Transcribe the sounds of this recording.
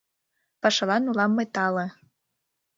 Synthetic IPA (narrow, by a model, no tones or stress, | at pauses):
pɑʃɤ̆lɑnulɑmːɤt̪ɑlɤ̆